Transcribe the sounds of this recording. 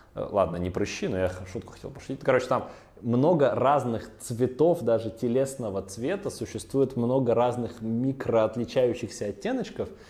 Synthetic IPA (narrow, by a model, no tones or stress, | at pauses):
lˠa̰d̪nənʲɪpɾɨɕːinojaxʂut̪kʊxɐtʲelˠpə̥ʂʊ̥tʲit̪̚ʲnkɐɾo̞t͡ɕɪ̥t̪am | mno̞ɡəraznɨxt̪svʲɪt̪o̞fd̪aʐɨtʲɪlʲe̞snəvət̪svʲe̞t̪əsʊɕːɪst̪vujɪt̪mno̞ɡəɾaznɨxmʲikɾəɐt̪lʲɪt͡ɕæjʉɕːɪxsʲəɐtʲːenət͡ɕkəf